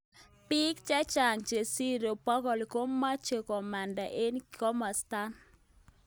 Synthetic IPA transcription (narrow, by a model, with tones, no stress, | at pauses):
pɪ˦kt͡ʃɛ˦t͡ʃa˨ŋt͡ʃe˨si˦ɾo˨pɔ˦ɡɔ˨li˨ko˦mːa˦t͡ʃe˨kɔ˨ma˨nda˨ʔe˦nkɔ˦ma˨sta˦n